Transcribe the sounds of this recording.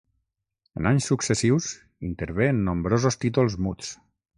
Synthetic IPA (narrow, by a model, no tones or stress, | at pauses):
ənaɲsːuksesiws | int̪əɾβenːombɾozost̪it̪̬ulˠzmut͡s